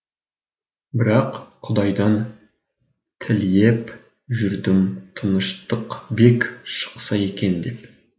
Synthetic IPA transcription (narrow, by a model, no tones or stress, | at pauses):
bɪɾɑqqʰʊd̪ɑjd̪ɑn | t̪ʰɪlje̞p | ʒʏɾd̪ɪmt̪ʰənəʃt̪əqbe̞kʲʃə̥qsɑje̞kʲe̞nd̪e̞p